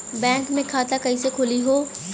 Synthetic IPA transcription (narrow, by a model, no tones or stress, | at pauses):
bɛ̃ːŋkmẽkʰaːt̪akɐisekʰʊliɦoː